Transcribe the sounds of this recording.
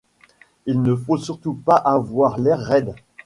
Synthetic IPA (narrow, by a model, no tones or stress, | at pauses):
ilnəfosyʁt̪upaʔavwaʁlɛʁːɛd̪